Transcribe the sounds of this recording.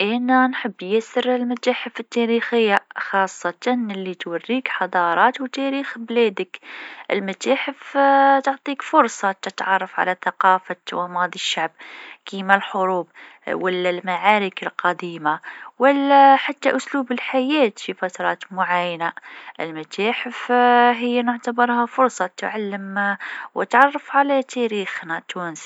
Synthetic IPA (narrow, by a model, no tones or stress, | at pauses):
ʔænænħəbːjæsəɾəlmæt̪aːħəfət̪ːæɾixəjːaxɑːsˤːɑt̪ɑnɪlːit̪warːiːkħɑd̪ˤɑɾˤɑːt̪wt̪æɾiːxblæd̪əkʔə̰lmʊt̪aːħəft̪ʊʕt̪ˤiːkfʊɾsˤɑt̪ət̪ʕɑrˤːɑfʕa̰læθaqɑːfawɑmɑd̪ˤiʃːaʕb̚kimælħʊɾuːbwalːalmaʕaːɾɪkɪlqɑd̪iːmawalːæħat̪ːaʔʊsluːbɪlħajæːt̪fifat̪ɾˤɑːt̪mʊʕajanaʔɪ̰lmat̪aːħɪfɦɪjːanʊʕt̪abɑɾˤhafʊɾˤsˤɑt̪ʕalːɪmwt̪ʕɑrˤːɑfʕalat̪ʰæɾiːxnat̪uːns